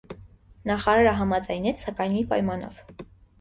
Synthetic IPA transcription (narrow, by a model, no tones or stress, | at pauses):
nɑχɑɾɑɾəɦɑmɑd͡zɑjnɛt͡sʰsɑkɑjnmipɑjmɑnɔ̰v̥